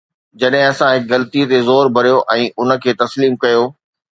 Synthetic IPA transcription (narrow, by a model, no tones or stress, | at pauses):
d͡ʑɐɗɦɪ̃ɐsãɦɪk̚ɣɐlt̪it̪ezoːɾbʱɐɾijoʔɛ̃ːʔʊnə̆kʰeːt̪ɐsliːmkɐjoː